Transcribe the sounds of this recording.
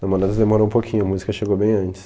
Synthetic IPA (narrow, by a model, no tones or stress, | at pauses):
ɐmɔlɛd̪ɐzd̪emɔɾɐ̃ũpokʰʲĩɲʊɐmuzikɐʃeɡowbẽj̃ɐ̃nt͡ʃɪ̥s